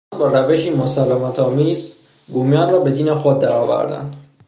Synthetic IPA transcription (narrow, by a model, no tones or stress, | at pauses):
nbɒːɾæveʃiːmosælæmæt̪ʰɒːmiːz | ɡuːmjɒːnrɒːbe̞d̪iːnexod̪ːæɾɒːvæ̰ɾd̪æ̰nd̪̥